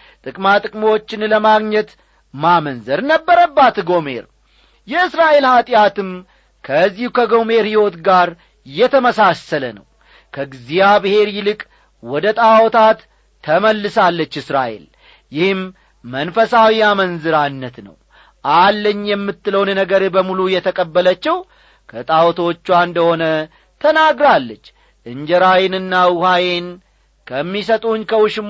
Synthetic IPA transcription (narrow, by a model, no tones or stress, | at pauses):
t̪ʼɨkʼmat̪ʼɨkʼmwot͡ʃːɪnləmaɡɲɛt̪ | mamənzəɾnəbːəɾəbːat̪ɡo̞me̞̰ɾ | jɛɨsɾaʔe̞lhat̪ʼɪjat̪ɨm | kʰəzːihukʰəɡo̞me̞ɾhiwo̞t̪ɡaɾ | jɛt̪ʰəməsasələnəw | kʰəɡɨzijabɨhe̞ɾjɪlɨkʼ | wɔd̪ət̪ʼawɔt̪ʰat̪ʰː | əməlːɨsalːət͡ʃːɨsɾa̰ʔe̞̰l | jɪhɨmː | ənfəsawijamənzɨɾanːət̪nə̰w | ʔalːəɲːjɛmːɨt̪ːɨləwnnəɡəɾbəmulujɛt̪ʰəkʼəbːələt͡ʃːɛw | kʰət̪ʼawɔt̪ʰo̞t͡ʃːuand̪əho̞nə | t̪ʰənaɡɾalːət͡ʃː | ʔɨɲd͡ʒəɾajɪnɨnːawuhajen | kʰəmːisət̪ʼuɲkʰəwʊʃɪm